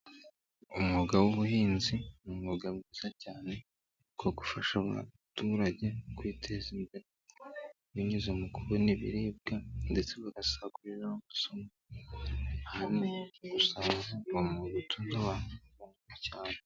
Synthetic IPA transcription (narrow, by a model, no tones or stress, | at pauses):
umuɡawuβuhiːnzinumuɡabɡiːz̥acaːne̞ | koɡufaʃaβa̰tuɾaɟe̞kwiːtʰe̞zimbeɾe | βiɲizomukuɾuniβḭɾiːb̚ɡande̞t͡se̞βaɡasaɡuɾiɾanomusoma | hanneɡusaːnzaɡomuβutʰuːndoβaːnuβanikacaːne